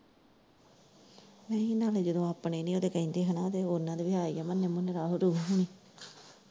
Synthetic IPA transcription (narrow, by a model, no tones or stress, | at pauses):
mɛ̃ːinaːled͡ʒəd̪õːaːpɳeːnĩːoːd̪eːkəĩnd̪eːɦənãːt̪eːʊnãːd̪eːbɪɦaːiːaːmənːeːmʊnɾaːɦoːɾuːɦɦoɳiː